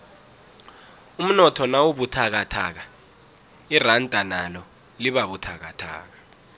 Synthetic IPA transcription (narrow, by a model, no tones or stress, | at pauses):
um̩nɔtʰɔnawuɓutʰak̬atʰa̰ːk̬a | irantʼanalɔ | liɓaɓutʰak̬atʰa̰ːk̬ḁ